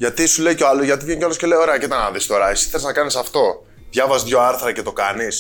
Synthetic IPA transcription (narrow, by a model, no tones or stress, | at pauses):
ʝɐt̪isule̞jcoɐloʝɐt̪ivʝeɲcoɐloscele̞jo̞ɾe̞ɐceit̪ɐnɐðist̪oɾɐsi̥θeleznɐkɐnisɐft̪o̞ | ðʝɐvɐzðʝo̞ɐɾθɾɐce̞t̪okɐnis